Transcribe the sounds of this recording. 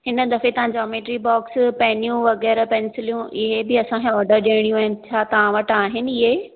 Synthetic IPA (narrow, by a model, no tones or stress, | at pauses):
ɦɪnə̆d̪ɐfet̪ɐʋ̤ãɲd͡ʑɔːmeːʈɾibɔːkspɐɦɪnijũʋɐɣɛːɾpɛnɪsɪlijũʔɪɦebɪɐsãkʰẽɔːɾɖəɾɗiːɽ̃ijũaːɦɪnɪ̆t͡ɕʰaːt̪ɐʋãʋɐʈaːɦɪnɪ̆ɪɦe